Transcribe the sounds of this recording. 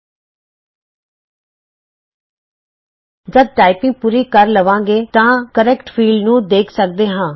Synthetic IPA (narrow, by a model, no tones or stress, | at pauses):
d͡ʒəd̪̚ʈaːɪpɪ̃ŋɡ̚puːɾiːkəɾləʋãːŋɡeːt̪ãːkəɾɛːkʈpʰiːlɖnũːd̪eːkʰsək̚d̪eːɦãː